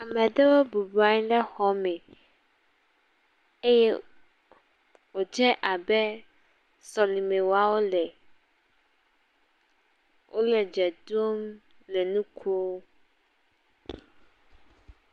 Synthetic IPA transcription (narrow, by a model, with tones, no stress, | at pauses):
a˨mɛ̃˨d̪ɛ˦wɔ˦bu˨bu˦a˦ɲ˦ɖɛ˦xɔ˨˦mɛ˨ | e˦jɛ̰˦ | wo˨d͡ʒɛ˦ʔa˨bɛ˦ | sɔ˨li˨mẽ˨wa˨wo˦lɛ˨ | wʔo˦lɛ˨d͡ʒɛ˨d̪o˦m | lɛ˨nũ˦kʰu˦o˦